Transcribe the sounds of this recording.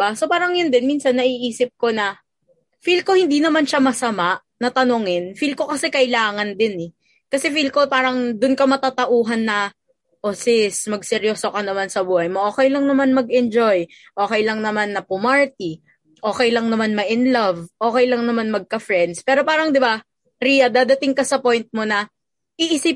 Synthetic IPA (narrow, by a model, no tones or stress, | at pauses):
baso̞paːɾɐŋjʊnd̪ɪnmiːnsɐnːɐʔiʔiːsɪp̚ko̞nɐ | filko̞hɪnd̪inɐmanʃamɐsɐmaʔ | nɐt̪ɐnoŋɪnfilko̞kɐsɛkɐʔɪlaːŋɐnd̪ɪnɛ | kɐsɛfilkopaːɾɐŋd̪ʊnkɐmɐt̪aːt̪ɐʔuːɦɐnːɐ | ʔosɪsmɐɡ̚sɛɾjoːsokɐnɐmansɐbuːhɐjmo̞ʔo̞ːkɛjlɐŋnɐmanmɐɡ̚ɛnd͡ʒo̞j | ʔo̞ːkɛjlɐŋnɐmanːɐpʊmaɹt̪̚i | ʔo̞ːkɛjlɐŋnɐmanmɐʔɪnlɐvʔo̞ːkɛjlɐŋnɐmanmɐɡ̚kɐfɾɛnd̪spɛːɾo̞paːɾɐŋd̪ɪba | ɾiːjɐd̪aːd̪ɐt̪ɪŋkɐsɐpo̞jnt̪̚mo̞nɐ | ʔɪʔɪsɪp̚